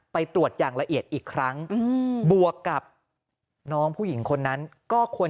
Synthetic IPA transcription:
pa˧jt̪ɾu˨˩ət̪̚jaː˨˩ŋla˧ʔi˨˩ət̪̚ʔiː˨˩kʰɾa˦˥ŋ˧bu˨˩əkːa˨˩p̚ | nɔː˦˥ŋpʰuː˥˩ji˩˦ŋkʰo˧nːa˦˥nkɔː˥˩kʰu˧ə

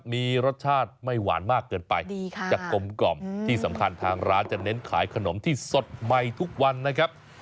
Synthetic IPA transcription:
miː˧ɾo˦˥t̪̚t͡ɕʰaː˥˩t̪̚ma˥˩jwa̰ː˩˦nmaː˥˩kːɤː˧npa˧jdi˧t͡ɕaː˨˩kːo˧mkɔ˨˩mt̪ʰiː˥˩sa˩˦mkʰa˧nt̪ʰaː˧ŋɾaː˦˥nt͡ɕa˨˩ne˦˥nkʰlaː˩˦jkʰa˧no˩˦mt̪ʰiː˥˩so˨˩t̪̚ma˨˧jt̪ʰu˦˥k̚wa˧nːa˦˥kʰa˦˥p̚

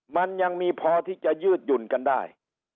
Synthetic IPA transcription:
ma˧nja˧ŋmiː˧pʰɔː˧t̪ʰiː˥˩t͡ɕa˨˩jɯː˥˩t̪̚ju˨˩nka˧ndaː˥˩j

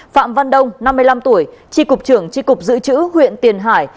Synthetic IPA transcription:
fa̰ː˧˨mva˧nɗə˧wŋ͡mna˧mːɨ˧əjla˧mt̪u˧˩əjt͡ɕi˧kʊ˨˩k͡p̚t͡ɕɨ˧˩əŋt͡ɕi˧kʊ˨˩k͡p̚zɨ̰˧˨t͡ɕɨ̰˧˥hwḭ˧˨ənt̪i˨˩ənɦaː˧˩j

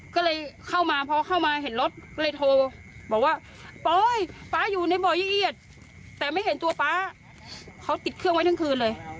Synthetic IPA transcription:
kɔː˥˩lɤː˧jkʰa˥˩wmaː˧pʰɔ˧kʰa˥˩wmaː˧ɦe˩˦nlo˧˦˥t̪̚kɔː˥˩lɤː˧jt̪ʰoː˧bɔː˨˩k̚waː˥˩ | pɔː˧˥jpaː˦˥juː˨˩na˧jbɔː˨˩jiː˧˩ʔi˧˩ət̪̚ː | ɛː˨˩ma˥˩jɦe˨˦nt̪u˧ɐpaː˦˥ | kʰa˦˥wt̪i˨˩t̪̚kʰɯ˥˩əŋwa˥jt̪ʰa˥ŋkʰɯː˧nlɤː˧j

